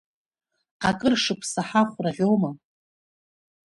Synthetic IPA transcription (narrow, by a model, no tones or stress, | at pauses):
qakʼɨrʂɨpʰsaħaχʷraʁʲoma